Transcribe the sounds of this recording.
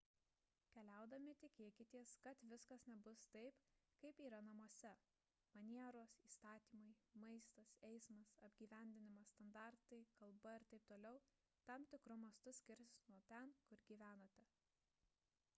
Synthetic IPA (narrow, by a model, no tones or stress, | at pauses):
kʲɛlʲæˑʊd̪ɐmʲɪt̪ʲɪkʲeɛkʲɪt̪ʲiɛskɐt̪ʋʲɪskɐsnʲɛbʊst̪ɐɪpkɐɪpiːɾɐnɐmuɔsʲɛ | mɐnʲiɛɾoːsiːst̪ɑːt̪ʲiːmɐɪmɐɪst̪ɐsɛɪsmɐsɐbʲɡʲiːʋʲæˑnʲd̪ʲɪnʲɪmɐst̪ɐnd̪ɑˑɾt̪ɐɪkɐlˠbɐɪɾt̪ɐɪp̚t̪oːlʲɛʊ | t̪ɐmt̪ʲɪkɾʊmɐst̪ʊsʲkʲɪɾʲsnuɔt̪ʲɛnkʊɾɡʲiːʋʲæːnoːt̪ʲɛ